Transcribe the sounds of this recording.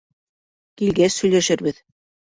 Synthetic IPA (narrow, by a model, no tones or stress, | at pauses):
kilɡæsɵ̆jlæʃɘɾβɘð